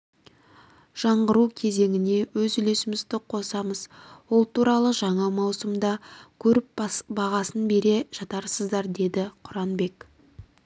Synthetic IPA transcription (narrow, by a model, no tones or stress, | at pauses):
ʒ̥ɑɴʁəɾukʲʰe̞ze̞ŋʲɪne̞wɵzʏlesɪmɪzd̪ɪqʰo̞sɑməz̥wolˠt̪ʰuɾɑlˠəʒɑɴɑmɑwsəmd̪ɑkʲʰɵɾɪp̚bɑʁɑsənbe̞ɾe̞ʒ̥ɑt̪ɑɾsəzd̪ɑɾd̪e̞d̪ɪqʰʊɾɑnbe̞k